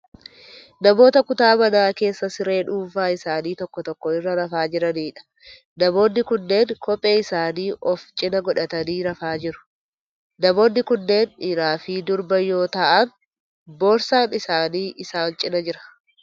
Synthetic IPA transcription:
nɐmo̞ːt̪ɐkʊt̪aːmɐnaːke̞ːsːɐsɪɾe̞ːᶑuːfaːɪsaːniːt̪ɔkːɔt̪ɔkːɔɪrːɐɾɐfaːd͡ʒɪɾɐniːᶑɐ̥ | nɐmo̞ːnːɪkʊnːe̞ːŋkʰɔpʼːe̞ːɪsaːniːʔɔft͡ʃʼɪnɐɡɔᶑɐt̪ɐniːɾɐfaːd͡ʒɪɾʊ̥ | nɐmo̞ːnːɪkʊnːe̞ːnɪɾaːfiːd̪ʊɾbɐjːo̞ːt̪ɐʔɐn | boːɾsaːnɪsaːniːʔɪsaːnt͡ʃʼɪnɐd͡ʒɪɾɐ̥

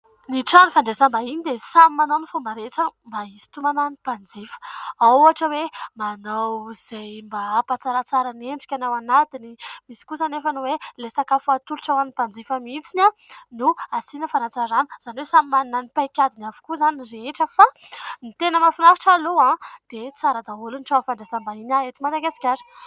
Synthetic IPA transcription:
niʈ͡ʂanufaɳɖ͡ʐesambainid̪esamimanawnifumbaɾet͡səmbaisi̥t̪umananipand͡zifə̥aaʈ͡ʂəwemanawz̥ejmbapat͡saɾat͡saɾaneɳɖ͡ʐi̥kʲanawanat̪inimisi̥kuzanefənuwelesakafuat̪uluʈ͡ʂawanipand͡zifamit͡sinʲanuasinəfanat͡saɾanuz̥aniwesamimannanipajkʲad̪inavu̥kuzaniɾeeʈ͡ʂəfanit̪enəmafinaɾiʈ͡ʂaloãd̪̥et͡saɾad̪aulunʈ͡ʂawafaɳɖ͡ʐasambaɦinaet̪imad̪aɡasi̥kʲaɾi̥

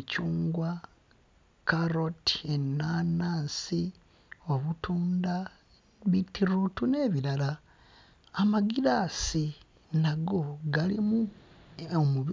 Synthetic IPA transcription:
cuːŋɡwa | kaɾo̞ti̥enːanaːnsi | o̞βutuːnda | βitiɾutune̞ːβilalaː | maɡilasi | naɡo̞ɡalimu | omuβ

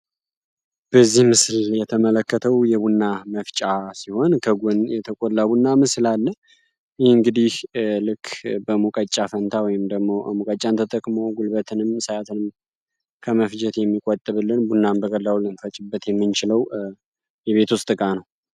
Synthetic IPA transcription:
b̥əzːihmɨsljɛt̪ʰəmələkːət̪ʰəwjɛβunːaməft͡ʃʼasiho̞nkʰəɡonjɛt̪ʰəkʼolːabunːamɨsɨlalːə | jeɨŋɡɨd̪ihlɨkʰːbəmukʼət͡ʃʼːafənt̪ʰawɔjɪmd̪əɡmo̞ʔəmukʼət͡ʃʼant̪ʰət̪ʼəkʼmo̞ɡulbət̪ʰɨnɨmsajat̪ʰɨnɨm | kʰəməfd͡ʒɛt̪jɛmːikʼot̪ʼːɨβɨlːɨnbunːanbəɡʼəlːawlɨnfət͡ʃʼɪbːət̪jɛmːɨnt͡ʃɪləw | jɛβe̞t̪ʰost̪ʼɨkʼanəw

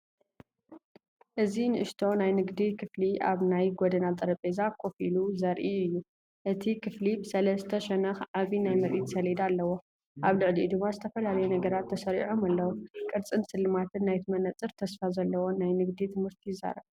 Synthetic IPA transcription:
ʔɨzinɨʔɨʃt̪ʰo̞najnɨɡd̪ikʰɨfliʔa̰βnajɡod̪ɐnat̪ʼɐɾɐpʼezakʰʼo̞filuzɐɾʔiɨjːu | ʔɨt̪ʰikʰɨflibɨsɐlɐzɨt̪ʰɐʃɛnɐxʕaβinajmɐɾʔit̪sɐlid̪alːɐwo̞ | ʔaβlɨʕlid̪ɨmːazɨt̪ʰɐfɐlalɐjunɐɡɐɾat̪ʰːɐsɐɾḭʕomalːɐwokʼɨɾt͡sʼɨnsɨlːɨmat̪ʰɨnːajt̪ʰɨmɐnɐt͡sʼɨɾt̪ʰɐsfazɐlːɐwo̞najnɨɡd̪it̪ʰɨmhɨɾt̪ʰijɪzːa̰ɾɐβ

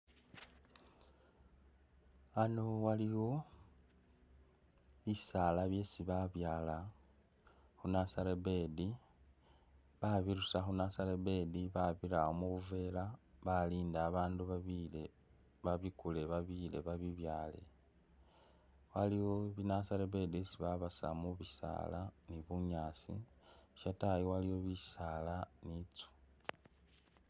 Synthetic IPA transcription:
ano̞waliwo̞ | βisalaβje̞ːsiβaβjaːla | xunasaɾebe̞di | βaβiɾusaxunasaɾebe̞diβaβiɾaomuβuve̞laβaliːndaːβaːnduβaβile | βaβikule̞βaβile̞βaβiβjaːle̞̰ | waliwoβinasaɾebe̞disiβaβasa̰muβisa̰laniβuɲaːsḭ | ʃatajowaliwo̞βi̥salanit͡su̥

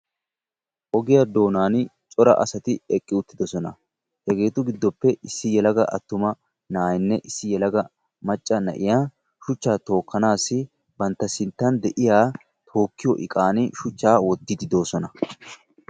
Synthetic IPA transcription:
ʔɔɡɪjad̪o̞ːnaːn | t͡ʃʼɔɾɐ̰ʔɐ̰sɐt̪ɪɛkʼːɪʊt̪ːɪd̪ɔsɔnɐ | hɛɡe̞ːt̪ʊɡɪd̪ːɔpːɛʔɪsːɪjɛlɐɡɐʔɐ̰t̪ːʊmɐ | naːjɪnːɛʔɪsːɪjɛlɐɡɐ | mɐt͡ʃʼːɐnɐ̰ʔɪjaː | ʃʊt͡ʃːaːt̪o̞ːkːɐnaːsːɪ | bɐnt̪ːɐsɪnt̪ːɐnd̪ɛʔɪjaː | t̪ʰo̞ːkːɪjɔʔɪ̰kʼaːnɪʃʊt͡ʃːaːwɔd̪ːɪd̪ɪd̪o̞ːsɔnɐ

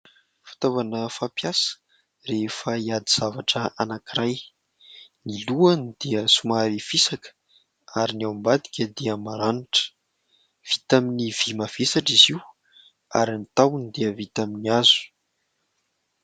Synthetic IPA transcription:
fi̥t̪ovanəfapjasə̥ | refəiad̪iz̥avaʈ͡ʂəanakiɾaj | niluanid̪̥eəsumaɾifisakə̥ | aɾinawmbad̪i̥kʲəd̪eəmaɾaniʈ͡ʂə̥ | v̥it̪aminiv̥imav̥esaʈ͡ʂiziw | aɾinit̪awunid̪eəvit̪aminiazu̥

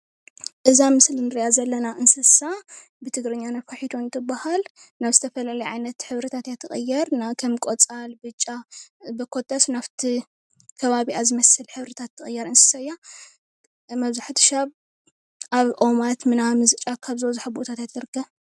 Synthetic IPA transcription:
ʔɨzamɨslinɨɾijazɐlːɐnaʔɨnsɨsa | bɨt̪ʰɨɡɾɨɲːanafaħit̪ʰont̪ʰɨbahal | naβzɨt̪ʰɐfɐlalɐjʕajnɐt̪ħɨβɾɨt̪ʰat̪jat̪ʰːɨχʼɨ̰jːɛɾnakʰɐmkʼot͡sʼalbɨt͡ʃʼːabɨkʰo̞t̪ʰʼːɐsnaβt̪ʰi | kʰɐβaβiazɨmɐsɨlħɨβɾɨt̪ʰat̪ʰːɨχʼɨjːɛɾɨnsɨ̥sajːa | mɐβzaħt̪ʰɨ̥ʃaβ | ʔaβʔo̞mat̪mɨnamɨzt͡ʃʼakʰaβzowzuħabo̞t̪ʰat̪jat̪ʰɨɾɡɐ

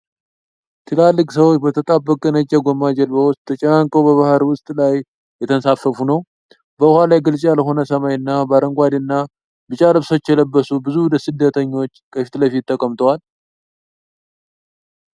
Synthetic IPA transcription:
t̪ʰɨlalːɨkʼsəwot͡ʃːbət̪ʰət̪ʼabːəkʼənət͡ʃʼːɛɡomad͡ʒɛlbəwʊst̪ʼʰːət͡ʃʼɛnaŋkʼəwbəβahɾwʊst̪ʼlaj | jɛt̪ʰənsafəfunəw | bəhalajɡɨlsʼjalɦo̞nəsəmajɨnːabəaɾəŋɡʷad̪inːa | bɨt͡ʃʼaləβso̞t͡ʃːjɛləbːəsubɨzud̪əsɨd̪ːət̪ʰəɲːo̞t͡ʃːkʼəfi̥t̪ləfit̪ʰːəkʼəmt̪ʰʼəwal

